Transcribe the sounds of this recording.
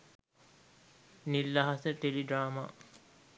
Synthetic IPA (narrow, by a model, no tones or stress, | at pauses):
nilːaɦaseʈeliɖɾaːma